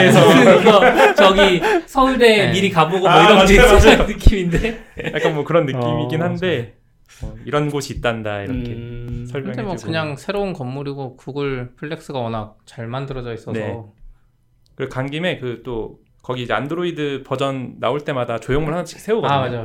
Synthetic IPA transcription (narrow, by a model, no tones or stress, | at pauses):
esʰʌʌʌt͡ɕʌɡisʰʌuɭdemiɾikaboɡomʌiɾʌd͡ʑeʌʌnːɯk͈imindejak͈anmwʌkɯɾʌnːɯk͈imik͈ːinhande̞ | ʌiɾʌnɡoɕʰiːt̚t͈andaiɾʌkkʰesʰʌɭɯemwʌkɯɲaŋsʰeɾounkʌmːuɾiɡokuɡɯɭpʰɯɭːe̞k̚s͈ɯɡawʌnak̚t͡ɕaɭmandɯɾʌd͡ʑʌis͈ʌne̞ | kɯɾekanɡime̞kɯt͈o | kʌɡiːd͡ʑeandɯɾoidɯpʌd͡ʑʌnːa̰oɭt͈e̞madat͡ɕojoŋmɯɭhant͡ɕʰi̥kʰe̥sʰeoɡʌmad͡ʑa